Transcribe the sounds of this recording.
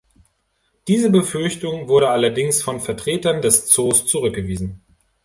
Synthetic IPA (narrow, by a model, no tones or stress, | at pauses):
d̥iːzəbəfʏɐçtʊŋvʊɐɾəʔalɐdɪŋsfɔnfɛɐtʁ̥eːtɐndɛst͡soːst͡suʁʏk̚ɡ̥əviːzn̩